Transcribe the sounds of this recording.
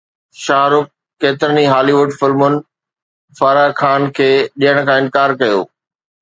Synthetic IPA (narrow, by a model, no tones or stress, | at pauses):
ʃaːɾʊk̚ː | eːt̪ɪɾəniɦaːliʋʊɖfɪlmʊnɪ̆ | faɾakʰaːnkʰeːɗijəɽ̃̆kʰãːɪ̃nkaːɾkɐjo̰ː